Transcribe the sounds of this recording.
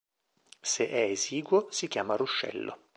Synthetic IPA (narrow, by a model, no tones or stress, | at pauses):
seʔɛeziːɡwosikjaːmaruʃːɛ̰lːo̰